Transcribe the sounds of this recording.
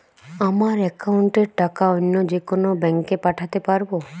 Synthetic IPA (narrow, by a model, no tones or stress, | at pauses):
amaɾɛkauɳʈeɾʈakaɔnːɔd͡ʒekonobɛŋkepaʈʰat̪epaɾbo